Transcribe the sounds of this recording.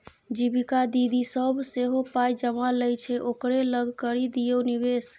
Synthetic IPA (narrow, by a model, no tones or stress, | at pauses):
d͡ʒibikad̪id̪isəbʱseɦopajd͡ʒəmaləjt͡ʃʰɛʔokɾeləɡʱkəɾid̪ijonibes